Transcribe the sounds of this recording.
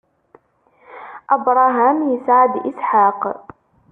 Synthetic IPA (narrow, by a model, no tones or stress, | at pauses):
ʔabɾˤɑɦaːmjɪsaʕad̪ʔɪsħaːq